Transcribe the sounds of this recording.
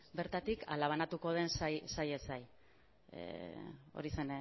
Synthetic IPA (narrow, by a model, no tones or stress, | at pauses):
be̞ɾt̪at̪ikʰalaβ̞anat̪uko̞ð̞e̞nsajsaje̞saj | ḛo̞̰ɾise̞n